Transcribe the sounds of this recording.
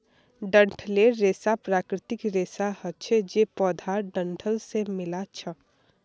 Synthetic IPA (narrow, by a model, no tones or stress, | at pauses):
ɖə̃ɳʈʰleɾeːsapɾaːkɾɪt̪ɪkɾeːsahət͡ʃʰɛd͡ʒepɔːd̪ʱaːɾɖə̃ɳʈʰəlsemɪlat͡ʃʰə